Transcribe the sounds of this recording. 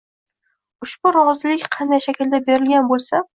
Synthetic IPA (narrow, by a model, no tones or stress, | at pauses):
ʊʃb̥ʊɾɒzɪlɪkʲqʰɑnd̪ajʃakʲɪld̪abe̞ɾɪlɡʲanbolˠsa